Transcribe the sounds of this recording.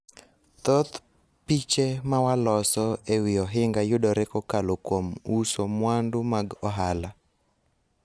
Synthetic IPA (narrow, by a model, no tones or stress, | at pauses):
t̪ot̪ | pit͡ʃemawalɔsɔewɪɔɦɪŋɡajʊdɔɾɛkɔkalokwomusomwandʊmaɡɔɦala